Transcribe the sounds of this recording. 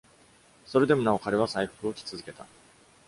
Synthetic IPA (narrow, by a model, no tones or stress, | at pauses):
so̞ɾe̞d̪e̞mo̞nao̞kaɾe̞βasaiɸɯ̥kɯ̟o̞kʲi̥t͡sɨzɨke̞t̪a